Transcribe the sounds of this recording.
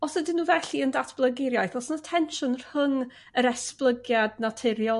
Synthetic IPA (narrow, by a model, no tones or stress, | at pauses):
ɔsədɪnuːvɛɬiəndatʰb̥lˠəɡɪɾjajθɔsnətʰɛnʃʊnər̥həŋ | əɾɛsplˠəɡjadnatʰɪɾjɔ